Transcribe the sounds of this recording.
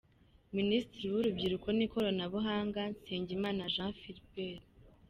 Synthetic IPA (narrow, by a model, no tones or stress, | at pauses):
ministiɾiwuɾubɟiɾuko̞niko̞ɾonaβuɦaːŋɡanseːɲɟimaːnaʒãfiɾibeɾ